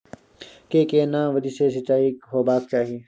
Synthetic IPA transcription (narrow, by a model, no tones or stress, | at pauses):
keːkeːnãːʋəd̪iːseːs̬ɪt͡ʃaːikɦoːbaːk̚t͡ʃaːɦieː